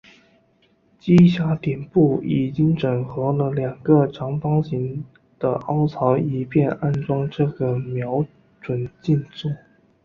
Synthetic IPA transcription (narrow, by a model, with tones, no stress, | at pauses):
t͡ɕi˥ɕja˧˥t̪jɛ˨˩npu˥˩i˨˩t͡ɕi˥ŋʈ͡ʂə˨˩ŋxɤ˧˥lə˧ljɑ˨˩ŋɡə˧ʈ͡ʂʰɑ˧˥ŋfɑ˥ŋɕi˧˥ŋ | d̪̥ə̰˧ʔɑ˥ʊt͡sʰɑ˧˥ʊi˨˩pjɛ˥˧na˥nʈ͡ʂwɑ˥ŋʈ͡ʂɤ˥˩ɡə˩mjɑ˧˥ʊ | ʈ͡ʂwə˨˩nt͡ɕi˥˧nt͡su˥˩